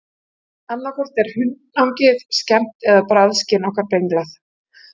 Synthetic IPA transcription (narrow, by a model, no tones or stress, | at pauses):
anlakʰɔɾ̥t̪ɛɾ̥hʏnːawɲcɪðscɛm̥t̪ɛðapɾaðscɪnɔhkaɾpejŋklaθ